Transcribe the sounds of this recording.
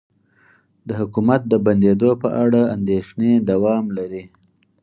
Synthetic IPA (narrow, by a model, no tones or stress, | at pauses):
d̪əɦʊkumat̪̚d̪əband̪ed̪opəʔaɽaand̪eʃned̪awɑmlaɾi